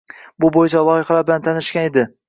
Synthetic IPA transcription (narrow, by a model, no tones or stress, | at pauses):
bʊbojɪt͡ʃʰalˠɒɪχlaɾbɪlant̪ʰanɪʃkʲaned̪ɪ